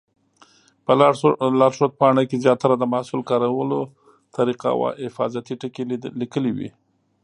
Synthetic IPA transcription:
pəlalɑɾʂot̪̚pɑɳakezjɑt̪aɾad̪əmahsulkɑɾawəlo | t̪aɾiqa̰wa̰ɪfɑ̰zat̪iʈəkelikəlewḭ

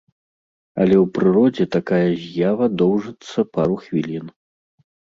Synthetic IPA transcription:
ɐ̰lʲɛwpɾɨɾɔd͡zʲɛt̪akajɐzʲjavɐd̪ɔwʐɨt̪sːɐpaɾuxvʲilʲin

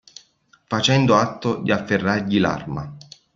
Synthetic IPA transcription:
fat͡ʃɛnd̪oat̪ːod̪iafːerːarʎila̰rma̰

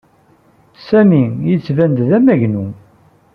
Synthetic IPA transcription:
sæmijət͡sːvænd̪ðæmæʝnu

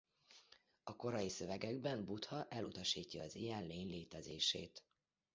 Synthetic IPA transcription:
ɒko̞ɾɒjisø̞vɛɡɛɡbɛmbut̪hɒʔɛlut̪ɒʃiːcːɒːzijɛnleːɲleːt̪ɛzeːʃḛːt̪

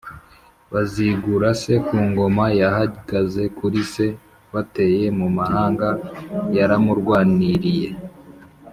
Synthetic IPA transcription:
βaziɡuɾase̞kuːŋɡo̞majaɦaɡ̥aze̞kuɾise̞ | βate̞je̞mumahaːŋɡajaɾamuɾɡwaːniɾije

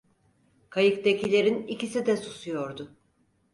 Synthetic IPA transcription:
kʰajɯkt̪ecilʲe̞ɾinicisid̪ɛsu̥sujo̞ɾd̪ʊ

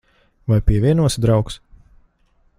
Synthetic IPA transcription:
vajpʲiɛvʲiɛnuɔsʲd̪ɾawks

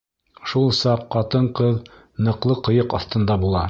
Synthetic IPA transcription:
ʃulˠsɑqːɑt̪ɤɴqɤð | nɤ̆qlˠɤqɤ̆jɤqɒ̰θt̪ɤ̆nd̪ɑbulˠɑ

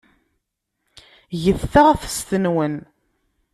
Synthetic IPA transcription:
ʝəθːaʁθst̪ənwən

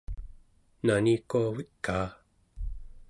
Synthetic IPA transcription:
nanikuavikːaː

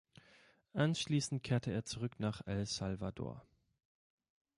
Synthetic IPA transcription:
ʔanʃliːsn̩t̚kʰeːɐtʰəeːɐt͡suʁʏknaːχɛlsalvado̰ːɐ

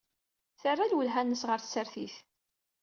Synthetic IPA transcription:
θərːalwəlɦænːəsʁəɾθsəɾθiθ

